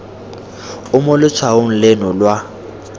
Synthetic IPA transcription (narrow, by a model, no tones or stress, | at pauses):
ʊmʊlɪt͡sʰwaʊŋ̩lenʊlwa